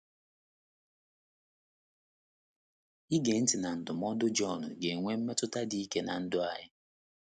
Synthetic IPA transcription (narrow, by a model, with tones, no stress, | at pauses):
i˦ɡe˨n̩˦tɪ˨na˨n̩˨dʊ˨mɔ˦dʊ˦d͡ʒɔ˦˨nʊ˨ɡe˨ŋʷe˦m̩˦me˦tʊ˦ta˦di˨i˦ke˦na˨n̩˦dʊ˦a˦ɲɪ˦